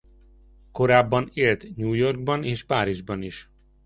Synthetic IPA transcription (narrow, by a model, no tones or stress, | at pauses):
ko̞ɾaːbːɒneːlt̪ɲuːjo̞rɡ̚bɒneːʃpaːɾiʒbɒniʃ